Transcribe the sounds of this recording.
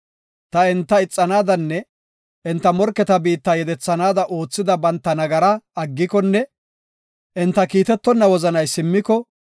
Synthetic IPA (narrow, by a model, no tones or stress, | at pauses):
t̪ɐɪnt̪ːɐɪt͡sʼːɐnaːd̪ɐnːɛ | ʔɪnt̪ːɐmɔɾkɛt̪ɐbiːt̪ːɐjɛd̪ɛt͡sːɐnaːd̪ɐʔo̞ːt͡sːɪd̪ɐbɐnt̪ːɐnɐɡɐɾɐɐɡːɪkɔnːɛ | ʔɪnt̪ːɐkiːt̪ɛt̪ːɔnːɐwɔzɐnɐjsɪmːɪkɔ